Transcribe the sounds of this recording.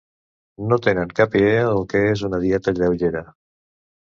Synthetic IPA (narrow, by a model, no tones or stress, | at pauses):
not̪enəŋkapieəlˠkeezunəðiɛt̪əʎewʎeɾə